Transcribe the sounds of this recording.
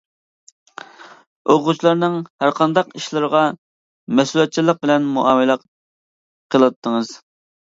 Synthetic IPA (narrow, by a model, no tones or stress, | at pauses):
oʁut͡ʃʰlˠɑɾnɨŋhæɾqʰɑnd̪ɑqiʃlˠɨɾəʁɑ | mɛsulɛt̪̚t͡ʃʰilˠəq̚bɪlɛnmuʔɑːmɨlˠəq | qʰəlˠɨt̪ʰːəŋəz̥